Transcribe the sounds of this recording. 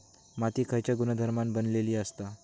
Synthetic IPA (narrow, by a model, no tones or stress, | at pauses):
mat̪iːkʰəjt͡ɕjaɡunəd̪ʱəɾmanbənleliːəst̪a